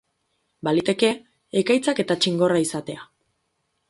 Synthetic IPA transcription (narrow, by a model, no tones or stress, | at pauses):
balit̪e̞ke̞ː | kajt͡sake̞t̪at͡ʃiŋɡo̞raisat̪e̞a